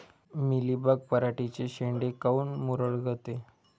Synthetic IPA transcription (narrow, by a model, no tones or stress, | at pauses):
milibəɡ̚pəɾaʈit͡ɕeɕeɳɖekauːnmuɾəɭɡʱət̪e